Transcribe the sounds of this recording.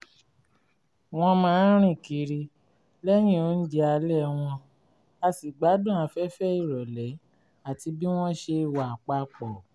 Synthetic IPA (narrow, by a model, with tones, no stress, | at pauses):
w̃ɔ̃˧mãː˦ɾ̃ĩ˦˨ki˨˦ɾi˧ | lɛ˦j̃ĩ˦˨o˨˦n̩˦d͡ʒɛ˧a˧lɛ˦˨w̃ɔ̃˧ | a˧si˨ɡ͡ba˨˦dũ˦˨a˧fɛ˦fɛ˦i˦˨ɾɔ˨lɛ˨˦ | a˨ti˧bi˦w̃ɔ̃˦ʃe˧wa˨k͡pa˧˦k͡pɔ˨